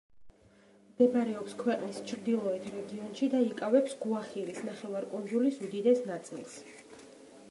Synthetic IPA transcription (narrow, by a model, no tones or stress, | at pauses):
md̪ɛbaɾɛɔpskʰwɛqʼnist͡ʃʰɾd̪ilˠɔɛt̪ʰɾɛɡiɔnʃid̪aikʼavɛpsɡuaχiɾisnaχɛvaɾkʼund̪zulisud̪id̪ɛsnat̪sʼḭlˠs